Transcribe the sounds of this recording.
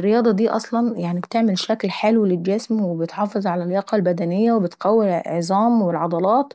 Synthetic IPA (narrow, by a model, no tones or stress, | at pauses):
rːejɑːd̪ˤɑd̪iːʔɑsˤlɑnjaʕnibt̪eʕmelʃæklħalwleld͡ʒæsmwebet̪ħɑːfezˤʕalæljɑqɑlbæd̪ænɪjːæwebet̪qæwːelʕzˤɑːmwelʕɑd̪ˤɑlɑːt̪